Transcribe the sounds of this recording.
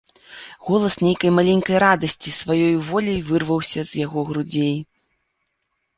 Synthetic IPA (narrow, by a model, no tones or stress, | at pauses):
ɣɔlˠɐsnʲejkɐjmalʲenʲkɐjɾad̪ɐsʲt͡sʲisvajɔjvɔlʲɐjvɨrvɐwsʲɐz̥jaɣɔɣɾud͡zʲej